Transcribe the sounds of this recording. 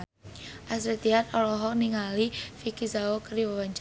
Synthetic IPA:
ʔasɾit̪iat̪ɔlɔɦɔk̚niŋalifikizaokəriwawaɲt͡ʃ

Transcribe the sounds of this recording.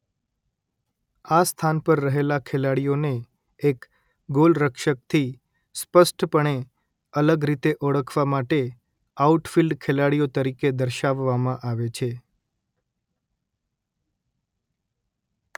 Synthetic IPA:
ast̪ʰanpəɾːəɦelakʰelaɽijoneː | k | ɡolɾəkʃək̚t̪ʰi | spəsʈpəɳ̃e | ələɡɾit̪eʔɔɽəkʰʋamaʈe | auʈfilɖkʰelaɽijot̪əɾiked̪əɾʃaʋːamãʔaʋet͡ʃʰe

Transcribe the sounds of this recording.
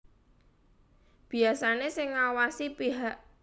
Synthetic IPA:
b̥i̤asanesɪŋːawasipiɦaʔ

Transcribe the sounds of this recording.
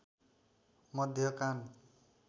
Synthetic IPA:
mʌd̪ʱjʌkan

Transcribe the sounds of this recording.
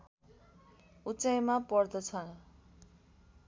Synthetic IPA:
ut͡sajmapʌrd̪ʌt͡sʰʌn

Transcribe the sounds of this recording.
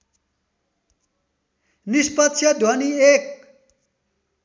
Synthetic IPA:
nispʌt̪t͡sʰjʌd̪ʱʌniek̚

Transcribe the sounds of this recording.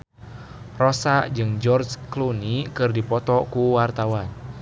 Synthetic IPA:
rosad͡ʒɨŋd͡ʒɔrd͡ʒklunikɨrdipɔt̪ɔkuwart̪awan

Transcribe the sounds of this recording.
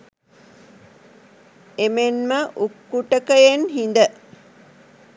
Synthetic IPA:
emenməʔukːuʈəkəjenɦin̆d̪ə

